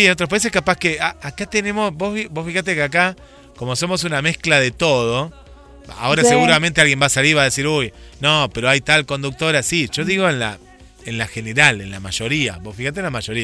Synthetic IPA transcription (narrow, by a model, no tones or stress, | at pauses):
sienot̪ɾopais̬e̞hkapaskeaakat̪enemosbosfibosfixat̪ekeaka | ko̞moso̞mo̞s̬unamehklaðet̪o̞ð̞o̞ | a̰o̞ɾaseɣuɾamẽnt̪ealɣje̞mbasaliɾβaðesiɾujnopeɾo̞ajt̪alko̞nd̪uk̚t̪o̞ɾasiʒ̥o̞ðiɣ̞o̞enla̰ | enlaxeneɾalḛnla̰maʒo̞ɾia̰βosfixat̪enlamaʒo̞ɾi